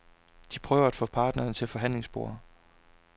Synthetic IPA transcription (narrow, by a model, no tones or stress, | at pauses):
d̥ipʰʁœːʊɐæd̥fɔːpʰɑ̈ːd̥nɐːnət͡sʰe̝lfɒ̽ɦæn̰le̝ŋsb̥o̝ːɐ